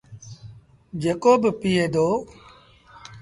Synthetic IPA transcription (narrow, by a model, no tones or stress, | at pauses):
d͡ʒeːkoːbpiːeːd̪oː